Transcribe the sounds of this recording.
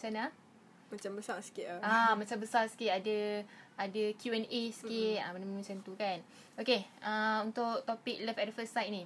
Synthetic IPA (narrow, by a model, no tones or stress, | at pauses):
t͡ʃana | mat͡ʃambəsasə̥kɪʔaamat͡ʃambəsarsə̥kɪʔadəʔadəkʰjuɛnʔesə̥kitamanammat͡ʃant̪ukan | okeʔaunt̪ʊʔt̪opɪk̚ləfɛt̚dəfəsajt̚nĩ